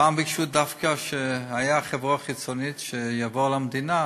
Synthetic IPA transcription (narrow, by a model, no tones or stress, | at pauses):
aːmbikʃud̪afkaʃeajaχevʁoχit͡sonit̪ʃejavolamd̪ina